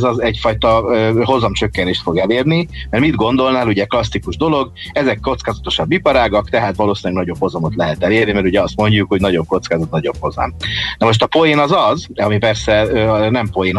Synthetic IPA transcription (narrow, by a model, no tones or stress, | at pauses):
zɒzɛɟfɒjt̪ɒøɦo̞zɒmt͡ʃø̞kːɛneːʃt̪fo̞ɡɛleːrnimmɛrmid̪ɡo̞nd̪o̞lnaːluɟɛklɒsːikuʒd̪o̞lo̞ɡ | ɛzɛkːo̞t̪skaːzɒt̪o̞ʃɒbːipɒɾaːɡɒkt̪ɛɦaːt̪ʋɒloːsiːnɛɡnɒɟo̞bho̞zɒmo̞t̪lɛɦɛt̪ɛleːrnimɛɾuɟɛɒst̪mo̞ɲɟukho̞ɟnɒɟo̞ŋko̞t̪skaːzɒt̪̚nɒɟo̞bho̞zɒ̰mnɛmo̞ʃ̬t̪ɒpo̞jeːnɒzɒzɒmipɛrsɛønɛmpo̞jeːn